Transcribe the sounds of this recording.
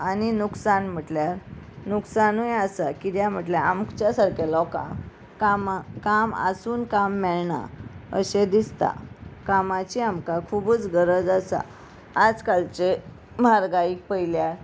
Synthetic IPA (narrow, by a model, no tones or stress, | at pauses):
aninuksanm̤əʈljaɾnuksanujasakid̪jam̤əʈ̬ljaamkt͡ɕjasaɾkelɔkã̰ | kamkama̰suːnkamːɛɭɳa̰ə̰ɕed̪ist̪a̰kamat͡ɕiamkakʰuːbət͡sɡəɾəd͡zasa̰ː | d͡zkalt͡ɕe | m̤aɾɡaik̚pəjljaɾ